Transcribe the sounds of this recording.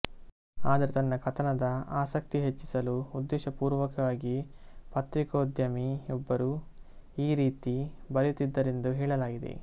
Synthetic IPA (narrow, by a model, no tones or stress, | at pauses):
aːd̪ɐɾet̪ɐnːɐkɐt̪ʰɐnɐd̪ɐaːsɐk̚t̪iɦet͡ʃːi̥sɐluud̪ːɛːʃɐpuːɾʋɐkɐʋaːɡipɐt̪ɾikoːd̪jɐmiɔbːɐɾu | iːɾiːt̪ibɐɾɐjut̪ːid̪ːɐɾe̞nd̪uɦɛːɭɐlaːɡid̪e̞̰